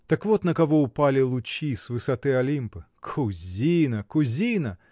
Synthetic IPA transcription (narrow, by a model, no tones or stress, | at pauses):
d̪̥ɨkvɔt̪nɐkavɔupalʲilˠut͡ʃʲisvɨsat̪ɨɐlʲimpɨ | kʰuzʲinɐkuzʲinɐ